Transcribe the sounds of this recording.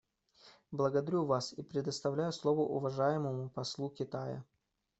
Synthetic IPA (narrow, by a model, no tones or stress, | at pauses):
blˠəɡəd̪ɐɾʲuvasipɾʲɪd̪əst̪ɐvlʲæjʊslˠovəʔʊvɐʐajɪməmʊpɐslˠukʲɪt̪ajə̰